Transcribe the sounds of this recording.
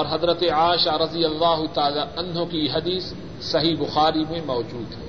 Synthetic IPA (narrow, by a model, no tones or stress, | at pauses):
ɔːɾɦɐzɾət̪eaːʃaɾɐd̪ijɐlːaːɦʊt̪aːlaːʔɐnɦokiɦɐd̪iːsː | ɐɦiːbʊxaːɾimẽmɔːd͡ʒuːd̪ɦɛː